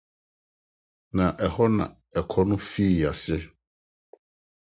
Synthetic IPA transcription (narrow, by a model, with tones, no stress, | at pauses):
nã˨ʔɛ˨hɔ˦nã̰˨ | ɛ˨kʰɔ˦nʊ̃˦fi˦˨a˨sɪ˦